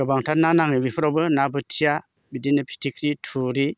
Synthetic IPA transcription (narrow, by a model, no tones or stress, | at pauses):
ɯbaŋtʰat̚nanaŋibipʰɾawbɯnabɯtʰija | bidinɯpʰi̥tʰikʰɾitʰuɾi